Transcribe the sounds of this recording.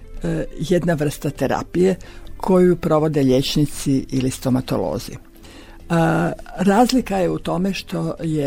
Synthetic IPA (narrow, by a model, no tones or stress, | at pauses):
je̞d̪naʋr̩st̪at̪e̞ɾa̰pije̞kʰo̞jupɾo̞ʋo̞d̪e̞ʎʲe̞t͡ʃnit̪siʔilist̪o̞mat̪o̞̰lo̰ːzḭ | ɾaːzlikaje̞ut̪o̞me̞ʃt̪o̞je